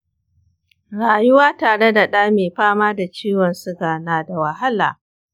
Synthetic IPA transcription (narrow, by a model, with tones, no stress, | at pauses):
ɽaː˨jʊ˦waː˦taː˨ɽe˦da˨ɗaː˦meː˨ɸaː˦maː˦da˨t͡ʃiː˦wɔ˨nsʊ˦ɡaː˨naː˨da˨wa˨ɦa˦la̰ː˨